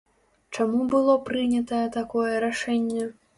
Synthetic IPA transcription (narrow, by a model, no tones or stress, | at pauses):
t͡ʂamubɨlˠɔpɾɨnʲɐt̪ɐjɛt̪akɔjɛɾaʂɛnʲːɛ